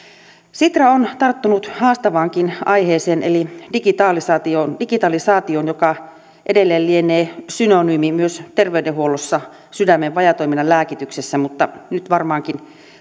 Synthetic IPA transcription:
sit̪rɑont̪ɑrt̪ːunut̪hɑːst̪ɑʋɑːŋkinʔɑiheːseːnelidikit̪ɑːlisɑːt̪iondikit̪ɑlisɑːt̪ioːnjokɑ | ʔedelːeːllieneːsynonyːmimyøst̪erʋeydeɦuolosːɑ | sydæmːeʋʋɑjɑt̪oiminɑlæːkit̪yksesːæmut̪ːɑnyt̪ʋɑrmɑːŋkin

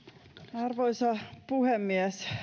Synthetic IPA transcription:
ɑrʋoisɑpuhemːiæs

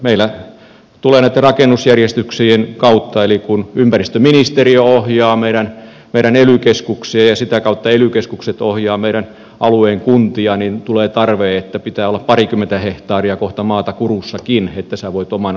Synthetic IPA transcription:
meilæ | t̪uleːnæˑit̪ːerɑkenːusjærjest̪yksienkɑut̪ːɑelikunympærist̪øminist̪erioohjɑːmeiɾæn | meiɾænelykeskuksiejɑsit̪ækɑut̪ːɑelykeskukset̪ohjɑːmeiɾæn | ʔɑlueːŋkunt̪iɑnint̪uleːt̪ɑrʋeːet̪ːæpit̪æːolːɑppɑrikymːˑent̪æheht̪ɑːriɑkoht̪ɑmɑːt̪ɑkurusːɑkinet̪ːæsæʋoit̪omɑn

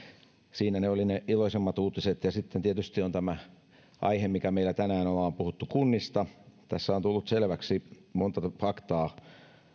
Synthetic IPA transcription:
siːnæneolineʔiloisemːɑt̪uːt̪iset̪jɑsit̪ːent̪iet̪yst̪iont̪æmæ | ʔɑ̰ihemikæmeilˑæt̪ænæːnolɑːmpuhut̪ːukunːist̪ɑt̪æsːæont̪ulːut̪selʋæksimont̪ɑfɑkt̪ɑː

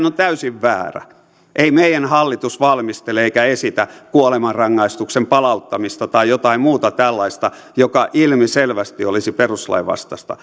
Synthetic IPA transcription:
not̪æysiʋʋæːræ̰ | ʔeimeijænhɑlːit̪usʋɑlmist̪eleeikæesit̪ækuolemɑrrɑŋːɑist̪uksempɑlɑut̪ːɑmist̪ɑt̪ɑijot̪ɑimmuːt̪ɑt̪ælːɑist̪ɑ | jokɑʔilmiselʋæst̪iolisiperuslɑ̰iʋɑ̰st̪ɑst̪ɑ̰

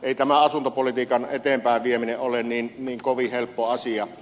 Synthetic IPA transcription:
eˑit̪æmæɑsunt̪opolit̪iːkɑnet̪empæˑeʋʋiemineʔʔolenniːnniːŋkoʋihelpːoɑsiɑ

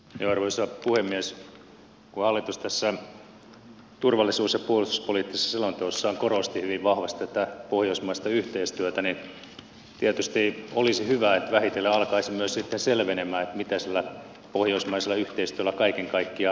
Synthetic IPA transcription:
joɑrʋoisɑpuhemːies | kuhɑlːit̪ust̪æsːæ | t̪urʋɑlːˑisuːsjɑpuolust̪u̥spoliːˑt̪ːisesselont̪oosːɑːŋkorost̪ihyʋiʋʋɑhʋɑst̪æt̪æpohjoismɑist̪ɑyht̪eist̪yøt̪ænin | t̪iet̪yst̪iolisihyʋæet̪ʋæhit̪elːeɑlkɑisimmyøssit̪ːenselʋenemæːet̪mit̪æsilːæ | pohjoismɑiselːɑyht̪eist̪yælækɑikeŋkɑikːiɑ

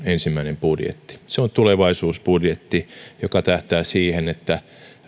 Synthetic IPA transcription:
ensimːæinempudjḛt̪ːi̥seont̪uleʋɑisuːsbudjet̪ːijokɑt̪æht̪æːsiːhenet̪ːæ

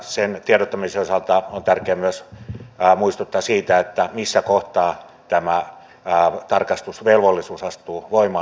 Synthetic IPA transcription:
sent̪ieɾot̪ːɑmiseosɑlt̪ɑont̪ærkeæmyøs | muist̪ut̪ːɑːsiːt̪æet̪ːæmisːækoht̪ɑː | t̪æmæ | t̪ɑrkɑst̪usʋelʋolːisuːsɑst̪uːʋoimɑ

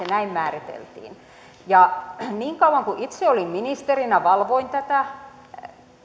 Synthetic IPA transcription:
enæimmæːrit̪ḛlt̪ḭːn | jɑniːŋkɑuw̆ɑŋkuʔit̪seolimminist̪erinæʋɑlʋoint̪æt̪æ

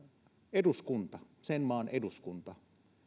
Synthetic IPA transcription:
eduskunt̪ɑsenmɑːnʔeduskunt̪ɑ

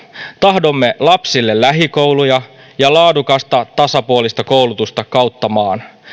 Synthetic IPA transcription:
t̪ɑɦdo̞mːe̞lɑpsilːe̞lːæɦiko̞wlujɑ | jɑlɑːdukɑst̪ɑt̪ɑsɑpuolist̪ɑko̞wlut̪ust̪ɑkɑwt̪ːɑmɑːn

